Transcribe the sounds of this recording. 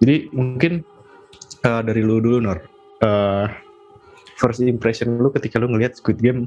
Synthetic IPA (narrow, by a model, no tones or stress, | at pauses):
d͡ʒadimuŋŋkɪn | ədaɾiludulunɔr | ə | fərsiimpɾɛsɔnlukət̪ikaluŋəliɦat̪̚skuwɪt̪̚ɡɛm